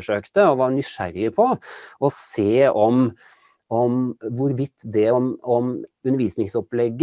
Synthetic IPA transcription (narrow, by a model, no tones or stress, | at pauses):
ʂøːkt̪əɔʋɑɾnʏʂæ̰ɾɪpʰɔɔseːɔm | ɔmʋʊɾʋɪt̪ːd̪ɛɔmɔmʉnəʋiːsnɪŋsɔplɛɡː